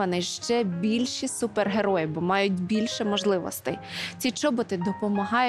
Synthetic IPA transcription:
ɐnɪʃt͡ʃɛbʲilʲʃisuperɦeɾɔjibɔmɑjʊtʲbʲilʲʃɛmɔʒlˠɪʋɔ̰st̪ɪ̰t͡sʲit͡ʃɔbɔt̪ɪd̪ɔpɔmɐɦɑj

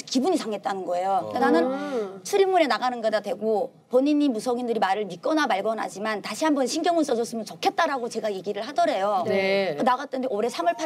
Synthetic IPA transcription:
kibuɲisaŋe̞t̚t͈anɯnɡʌe̞joenanɯnt͡ɕʰɯɾimuɾenaɡanɯnɡʌdadwe̞ɡo | pʌɲiɲimusʰʌɡindɯɾimaɾɯɭmik͈ʌnamaɭɡʌnɦa̰d͡ʑimantaɕʰiɦambʌnɕʰinɡjʌŋuns͈ʌd͡ʑʌs͈ɯmɯnt͡ɕʌkʰe̞t̚t͈aɾaɡot͡ɕe̞ɡaje̞ɡiɾɯɭhadʌɾe̞joneɯnaɡat͈̚ʌndeoɾe̞sʰamʌɭpʰa

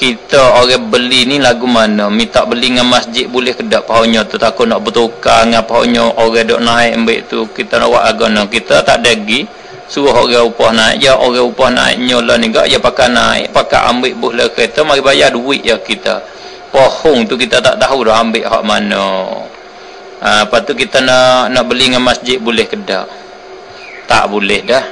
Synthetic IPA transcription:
kit̪əoɣɛhbəlinilaɡumanəmit̪aʔbəliŋanmasd͡ʒɪt̪̚bulɛhkədaʔpaɦoɲɔt̪ut̪akuʔnɔʔbət̪ukaŋapaɦa̰ʔɲɔʔoɣɛhdoʔnaɪʔmbɪ̰ʔt̪ukit̪əno̰ʔwa̰ʔlaɡonɔkit̪ət̪aʔdəɡi | suɾʊɦoɣɛupɔhnaɪ̰ʔjəʔoɣɛhupɔhna̰ɪ̰ʔɲɔləniɡa̰ʔjapakanaɪ̰ʔpaka̰ʔa̰mbɪʔbʊhləkəit̪umaɡibajaduɪʔjakit̪ə̰ | pohʊŋt̪ukit̪ət̪a̰ʔt̪aɦudɔɦambɪʔɦa̰ʔmano | əpat̪ukit̪ənaʔnaʔbəliŋanmasd͡ʒɪt̪̚bulɛhkəda̰ʔ | t̪a̰ʔbulɛhdəh

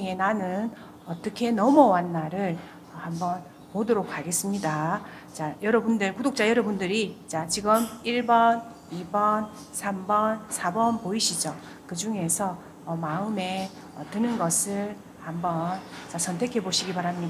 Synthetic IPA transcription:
ŋenanɯn | ʌt͈ʌkʰe̞nʌmʌwanːaɾɯɭ | ʌhambʌn | podɯɾok̚ʰːaɡe̞s͈ɯmɲida | t͡ɕajʌɾʌbundɯɭkudok̚t͡ɕ͈ajʌɾʌbundɯɾit͡ɕat͡ɕiɡɯmiɭbʌn | ibʌn | sʰambʌnsʰabʌnpoiɕʰid͡ʑʌ | kɯd͡ʑuŋe̞sʰʌː | maɯme̞ | ʌtɯnɯnɡʌsʰɯɭ | hambʌnt͡ɕasʰʌntʰe̞kʰe̞boɕʰiɡipaɾamɲida

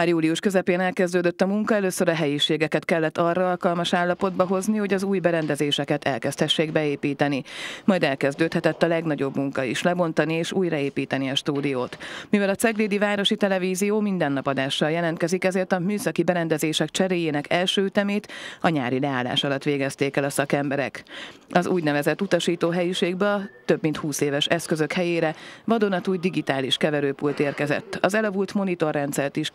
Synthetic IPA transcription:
juːliuʃkøzɛpeːnɛlkɛzd̪øːd̪øt̪ːɒmuŋkɒɛløːsøɾɒɦɛjiʃeːɡɛkɛt̪kɛlːɛt̪ːɒrːɒɒlkɒlmɒʃaːlːɒpo̞d̪bɒɦo̞zniho̞ɟɒzuːjbɛɾɛnd̪ɛzeːʃɛkɛt̪ʰɛ̰lkɛst̪hɛʃːeːɡbɛeːpiːt̪ɛnimɒjd̪ɛlkɛzd̪øːt̪hɛt̪ɛt̪ːɒlɛɡnɒɟo̞bmuŋkɒiʃlɛbo̞nt̪ɒnieːʃuːjrɒeːpiːt̪ɛniɒʃt̪uːd̪ijoːt̪mivɛlɒt̪sɛɡleːd̪ivaːɾo̞ʃit̪ɛlɛviːzijoːmind̪ɛnːɒpɒd̪aːʃːɒljɛlɛnt̪̚kɛzikɛzeːrt̪ɒmyːsɒkibɛɾɛnd̪ɛzeːʃɛk̚t͡ʃɛɾeːjeːnɛkʰɛlʃøːyt̪ɛmeːt̪ɒɲaːɾilɛaːlːa̰ːʃɒlɒt̪ːʋeːɡɛst̪eːkɛlɒsɒkɛmbɛɾɛ̰kɒzuːɟnɛvɛzɛt̪ːut̪ɒʃiːt̪oːɦɛjiʃeːɡbɛɒt̪ːø̞bmint̪huːseːvɛʃɛskøzøkhɛjeːɾɛvɒd̪onɒt̪uːjd̪iɡit̪aːliʃkɛvɛɾøːpult̪eːrkɛzɛ̰t̪ːɒzɛlɒvult̪mo̞nit̪o̞rːɛnt̪sɛrt̪iʃ

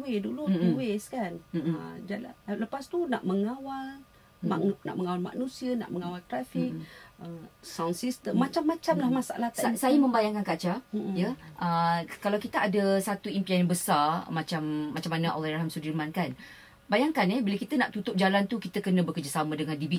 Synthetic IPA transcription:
edulut̪uweskanə̰d͡ʒalaləpast̪una̰ʔməŋawal | mana̰ʔməŋawalma̰knũsiəna̰ʔməŋawalt̪ɾafik̚əsawnsist̪əmːat͡ʃamːãt͡ʃamlahmasaʔalat̪saasajəmə̃mbajaŋkankat͡ʃajəʔəkalawkit̪əʔadasat̪uimpiɛnbəsarmat͡ʃamːat͡ʃamːanəʔalajɾaɦamsudirmankan | bajaŋkanɛhbiləkit̪ənaʔt̪ut̪ʊp̚d͡ʒalant̪ukit̪əkənə̃bərkərd͡ʒasamə̃dəŋãndibi

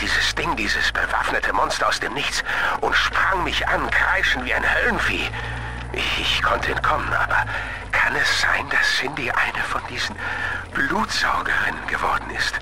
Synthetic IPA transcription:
d̥iːzəsd̥ɪŋdiːzəsb̥əva̰fnətʰəmɔnstɐaʊsd̥eːmnɪçt͡sʔʊntʃpʁ̥aŋmɪçʔankʁ̥aɪʃn̩tv̥iːaɪnhœlnfḛː | ʔɪɪçkʰɔntəɛnt̚kʰɔmənʔa̰ːbɐ̰ | kʰanɛsz̥a̰ɪnd̥assɪndiʔa̰ɪnəfɔndiːzn̩b̥luːtz̥aʊɡəʁɪnənɡəvɔɐdn̩ɪst

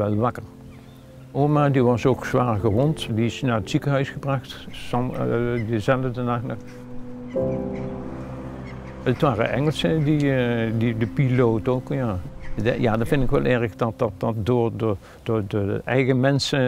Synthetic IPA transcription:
ʋɛlˠʋɑkəɹ | oːmadiʋɑsoːksʋaːɹɣəʋɔntdiɪsnaːɹətsikəɦœɥsχəbrɑxtsɑmdəzɛlədənaxnə | ətʋaːrə̰ʔɛŋəlˠsədididəpiloːwtoːkjaːdjaːdɑvɪndɪkʋɛlˠʔɛɹxdɑt̚ɑt̚dɑt̚dʊːɹd | d̥ʊːdəʔɛjɣəmɛnsə

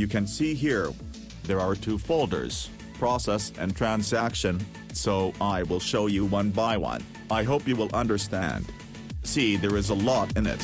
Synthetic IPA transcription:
jɨkʰɨ̃nsiɦiɹ | ðə˞a˞tʰufoʊlˠdə̰˞z̥ | pʰɹ̥ɔsɛsɨ̰̃ntʰɹ̥æ̃nzækʃɨ̃n | soʊʔaɪwɪlˠʃoʊjɨwʌ̃nbaɪwʌ̰̃n | aɪɦoʊpjɨwəlˠʔʌ̃ndə˞stæ̰̃nd̥ | siðə˞ɨzəlɔɾɨ̃nɪ̰t̚

